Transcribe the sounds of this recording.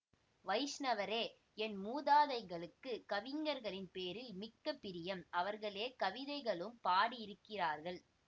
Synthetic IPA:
ʋɐɪsnɐʋɐɾeː | ɛnmuːðaːðɐɪɣɐɭɯkːɯkɐʋɪŋɡɐɾɣɐɭɪnpeːɾɪlmɪkːɐpːɪɾɪjɐmʔɐʋɐɾɣɐɭeːkɐʋɪðɐɪɣɐɭɯmpaːɽiɪɾɯkːɪraːɾɣɐɭ

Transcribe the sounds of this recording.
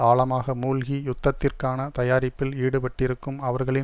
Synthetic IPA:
aːɭɐmaːɣɐmuːlɣijʊt̪ːɐt̪ːɪrkaːnɐt̪ɐjaːɾɪpːɪliːɽɯpɐʈːɪɾɯkːɯmɐʋɐɾɣɐɭɪ

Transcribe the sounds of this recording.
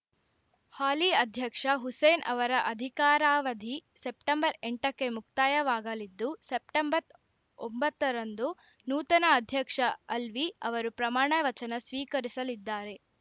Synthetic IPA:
haːliɐd̪ʱjɐkʂɐɦuseːnʔɐ̰ʋɐɾɐʔɐd̪ʱikaːɾaːʋɐd̪ʱisep̚ʈɐmbɐɾeɳʈɐkːe̞muk̚t̪aːjɐʋaːɡɐlid̪ːusep̚ʈɐmbɐt̪ | ombɐt̪ːɐɾɐnd̪u | nuːt̪ɐnɐːd̪ʱjɐkʂɐɐlʋiɐʋɐɾupɾɐmaːɳɐʋɐt͡ʃɐnɐsʋiːkɐɾisɐlid̪ːaːɾe̞

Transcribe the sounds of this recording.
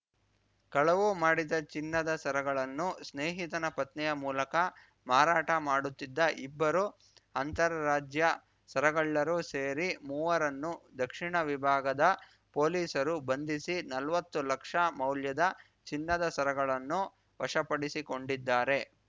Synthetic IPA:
kɐɭɐʋumaːɽid̪ɐt͡ʃinːɐd̪ɐsɐɾɐɡɐɭɐnːusneːɦit̪ɐnɐpɐt̪nɛjɐmuːlɐkɐ | maːɾaːʈɐmaːɽut̪ːid̪ːɐʔibːɐɾu | ɐnt̪ɐɾɐɾaːd͡ʒjɐ | sɐɾɐɡɐɭːɐɾuse̞ːɾimuːʋɐɾɐnːud̪ɐkʂiɳɐʋibʱaːɡɐd̪ɐ | po̞ːliːsɐɾubɐnd̪isinɐlʋɐt̪ːulɐkʂɐmɐwljɐd̪ɐ | t͡ʃinːɐd̪ɐsɐɾɐɡɐɭɐnːu | ʋɐʂɐpɐɽisiko̞ɳɖid̪ːaːɾe̞

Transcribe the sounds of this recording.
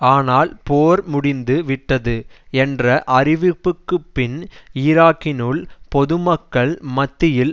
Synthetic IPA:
aːnaːlpoːɾmʊɽɪnd̪ɯʋɪʈːɐðɯɛndrɐʔɐrɪʋɪpːɯkːɯpːɪniɾaːkːɪnɯɭpɔðɯmɐkːɐɭmɐt̪ːɪjɪl

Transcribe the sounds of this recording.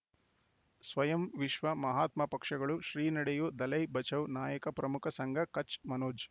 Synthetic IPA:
sʋɐjɐmʋiʃʋɐmɐɦaːt̪mɐpɐkʂɐɡɐɭuʃɾiːnɐɽɛjud̪ɐlɐjbɐt͡ʃɐwnaːjɐkɐpɾɐmukʰɐsɐŋɡʱɐkɐt͡ʃmɐnoːd͡ʒ

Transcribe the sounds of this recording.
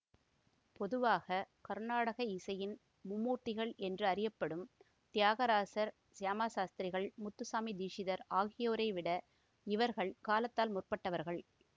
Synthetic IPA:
pɔðɯʋaːɣɐkɐɾnaːɽɐɣɐɪsɐjɪn | mʊmːuːʈːɪɣɐɭɛndrɯɐɾɪjɐpːɐɽɯm | t̪ɪjaːɣɐɾaːsɐɾ | saːmaːsaːst̪ɾɪɣɐɭmʊt̪ːɯsaːmid̪iːʂɪðɐɾaːɣɪjoːɾɐɪʋɪɽɐ | ɪʋɐɾɣɐɭkaːlɐt̪ːaːlmʊrpɐʈːɐʋɐɾɣɐɭ

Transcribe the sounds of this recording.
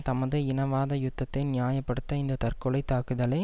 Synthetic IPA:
t̪ɐmɐðɯɪnɐʋaːðɐjʊt̪ːɐt̪ːɐɪnɪjaːjɐpːɐɽɯt̪ːɐɪnd̪ɐt̪ɐrkɔɭɐɪt̪ːaːkɯðɐlɐ

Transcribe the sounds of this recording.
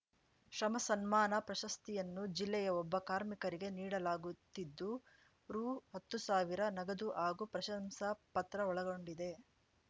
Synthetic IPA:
ʃɾɐmɐsɐnmaːnɐpɾɐʃɐst̪ijɐnːud͡ʒilːɛjɐɔbːɐkaːɾmikɐɾiɡe̞niːɽɐlaːɡut̪ːid̪ːu | ɾuːhɐt̪ːusaːʋiɾɐnɐɡɐd̪uʔaːɡupɾɐʃɐmsɐpɐt̪ɾɐɔɭɐɡo̞ɳɖid̪e̞

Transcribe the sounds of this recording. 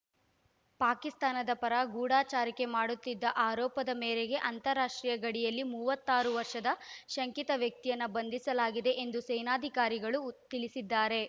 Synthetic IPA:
paːkist̪aːnɐd̪ɐpɐɾɐɡuːɽaːt͡ʃaːɾɐke̞maːɽut̪ːid̪ːɐʔaːɾɔːpɐd̪ɐmɛːɾeɡe̞ʔɐnt̪ɐɾːaːʂʈɾiːjɐɡɐɽijɐlːimuːʋɐt̪ːaːɾuʋɐɾʂɐd̪ɐʃɐŋkit̪ɐʋjɐk̚t̪ijɐnːɐbɐnd̪isɐlaːɡid̪e̞ʔend̪usɛjnaːd̪ʱikaːɾiɡɐɭut̪iɭisid̪ːaːɾe̞

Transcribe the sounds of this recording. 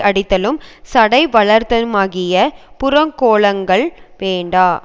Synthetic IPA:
ʔɐɽɪt̪ːɐlɯmsɐɽɐɪʋɐɭɐɾt̪ːɐɯmaːɣɪjɐpʊɾɐŋkoːɭɐŋɡɐɭʋeːɳɖaː

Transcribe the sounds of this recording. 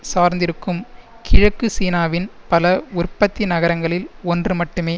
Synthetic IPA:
saːɾnd̪ɪɾɯkːɯm | kʰɪɻɐkːɯsiːnaːʋɪnpɐlɐʊrpːɐt̪ːinɐɣɐɾɐŋɡɐɭɪlɔndrɯmɐʈːɯmeː

